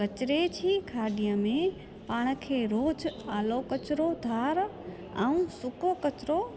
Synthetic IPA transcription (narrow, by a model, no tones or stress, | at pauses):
kət͡ʃɾet͡ʃʰikʰaːɖijəmẽ | paːɽ̃əkʰeːɾoːd͡ʒaːlokət͡ʃɾod̪ʱaːɾ | aũsʊkokət͡ʃɾo